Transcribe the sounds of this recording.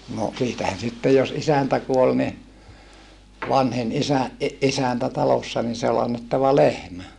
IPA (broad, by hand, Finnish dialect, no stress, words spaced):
no siːtæhæn sitːej jos isæntæ kuol ni ʋɑnhin isæ ʔi ʔisæntæ tɑlosːɑ ni se ol ɑnːetːɑʋɑ lehmæ